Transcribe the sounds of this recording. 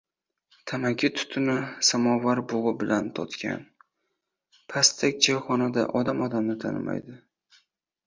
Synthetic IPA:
t̪ʰamaɡʲʰɪt̪ʰʊ̥t̪ʰʊnɪsamɒvaɾboʁɨbɪlʔant̪ʰɒt̪kʲʰa̰n | pʰast̪ʰakʲd͡ʒajχɒnad̪aʔɒd̪amɒd̪amnɪt̪ʰa̰nɪ̰ma̰jd̪ɪ

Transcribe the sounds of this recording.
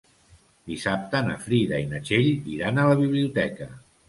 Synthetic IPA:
d̪̥isap̚t̪ənə̰fɾiðəinət͡ʃeʎiɾanələβ̞iβliut̪ɛkə

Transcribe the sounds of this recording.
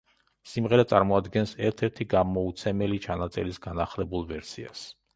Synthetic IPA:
simʁɛɾat̪sʼaɾmɔad̪ɡɛnsɛɾt̪ʰɛɾt̪ʰiɡamɔut̪sʰɛmɛlit͡ʃʰanat̪sʼɛ̰lisɡanaχlɛbulˠvɛɾsḭa̰s

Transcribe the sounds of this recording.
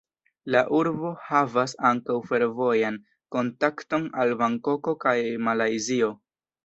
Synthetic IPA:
laʔuɾbo̞havasaŋkawfe̞ɾvo̞jan | ko̞ntakto̞nalbaŋko̞ko̞kajmalajzio̞

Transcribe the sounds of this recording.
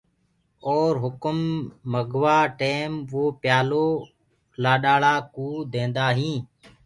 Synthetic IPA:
oːɾɦʊkəmːəɡʱʋaːʈeːmʋoːpjaːloː | laːɗaːɭaːkuːd̪ẽːnd̪aːɦĩː

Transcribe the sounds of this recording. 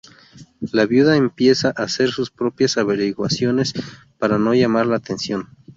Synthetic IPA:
laβjuðaempje̞saʔase̞ɾsuspɾo̞pjasaβe̞ɾiɣwasjo̞ne̞s | paɾano̞ʝamaɾlaːt̪e̞nsjo̞n

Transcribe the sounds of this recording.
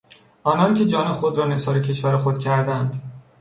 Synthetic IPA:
ʔɒːnɒːncʲʰe̞d͡ʒɒːne̞xod̪ɾɒːnesɒːɾecʲʰe̞ʃvæɾexod̪̥̚cʰæɾd̪ænd̪

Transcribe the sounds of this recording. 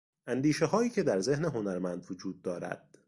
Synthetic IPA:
ʔænd̪iːʃe̞ɦɒːjiːcʰe̞d̪æɾze̞hneɦo̞næɾmænd̪vod͡ʒuːd̪̚ːɒːɾæ̰d̪̥

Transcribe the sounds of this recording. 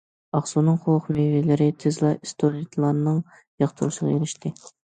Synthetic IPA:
ɑχsunɨŋχʰolˠqmevelɪɾɪt̪ʰezlˠɑʔist̪ʰoɾit̪ʰlˠɑnːɨŋ | jɑχt̪ʰɨɾɨʃəʁɑeɾɪʃt̪ɪ

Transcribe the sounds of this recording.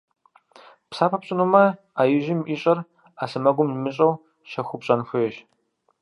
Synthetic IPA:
psaːpʰɐpɕʼɐnumɐ | ajɪʒɪmʔiːɕʼɐr | asɨmɐɡʷʊmnmɨɕʼɐw | ʃɐxʷʊpɕʼɐnxʷʊjɛʃ

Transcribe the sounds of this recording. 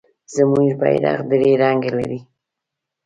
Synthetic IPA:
zamuɾba̰jɾɑ̰qd̪ɾeɾaŋɡala̰ɾi

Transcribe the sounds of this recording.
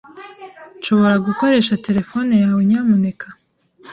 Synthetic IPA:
nʃo̞βo̞ɾaɡuko̞ɾe̞ːʃate̞ɾe̞fo̞nejawoɲamune̞kʰḁ

